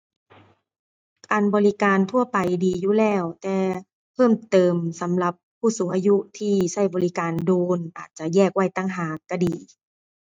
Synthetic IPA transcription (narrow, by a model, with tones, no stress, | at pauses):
kaː˨˧nbɔː˧li˦˥kaː˨˧nt̪ʰu˥˩ɐpa˨jdiː˨juː˧˩lɛː˧˥˩wt̪ɛː˧ | pʰɤː˧˥˩mt̪ɤː˨˧msa˨˦mla˧˦pʰːuː˧˥˩suː˨˦ŋʔaː˧ju˦˥ʔt̪ʰiː˧˩sa˥˩jbɔː˨li˦˥kaː˨nduː˨˧nʔaː˨˩t̪̚t͡ɕa˧jɛː˥˩k̚wa˥˩jt̪aː˧˩˨ŋɦaː˨˩kːa˧˩diː˨˩